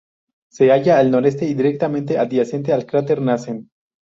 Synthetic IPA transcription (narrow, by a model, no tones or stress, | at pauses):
se̞aʝaːlno̞ɾe̞s̬t̪e̞id̪iɾek̚t̪amẽnt̪eʔaðiase̞nt̪̬ealkɾat̪̬eɾnasen